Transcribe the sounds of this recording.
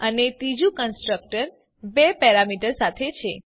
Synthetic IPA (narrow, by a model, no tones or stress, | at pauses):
ənet̪id͡ʒũkənsʈɾək̚ʈəɾ | bɛpɛɾamiʈəɾsat̪ʰet͡ʃʰe